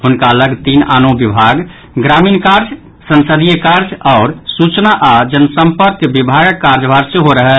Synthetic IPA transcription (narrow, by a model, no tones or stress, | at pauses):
ɦʊnkaləɡt̪inanobibʱaɡ | ɡɾamiːnkaɾd͡ʒ | sənsəd̪ijəkaɾd͡ʒɔːɾsut͡ʃnaʔad͡ʒənsəmpəɾkbibʱaɡəkːaɾd͡ʒbʱaɾsẽɦoɾəɦɛ